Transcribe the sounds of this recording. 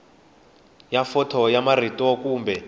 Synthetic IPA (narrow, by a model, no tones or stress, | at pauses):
jafɔtʰɔjamaritʼɔkuːmbɛ